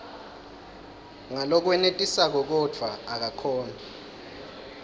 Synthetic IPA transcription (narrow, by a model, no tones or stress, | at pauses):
ŋalɔk̬wɛnetʼisak̬ɔk̬ɔd͡v̥ʰʱwaːk̬akʰɔːna